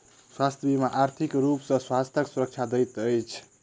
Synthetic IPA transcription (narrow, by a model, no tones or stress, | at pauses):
swast̪ʰjəbimaʔaɾt̪ʰikɾupsə̃swast̪ʰjəksuɾək̚t͡ʃʰad̪əjt̪əjt͡ʃʰ